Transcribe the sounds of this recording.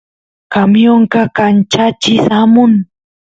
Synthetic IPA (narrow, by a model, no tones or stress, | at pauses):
kamjoɴkɑkant͡ʃat͡ʃɪsamʊŋ